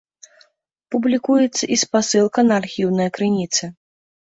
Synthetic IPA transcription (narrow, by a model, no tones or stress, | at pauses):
publʲikujɛt̪sːɐʔispasɨlˠkɐnɐːrxʲiwnɐjɐkɾɨnʲit̪sɨ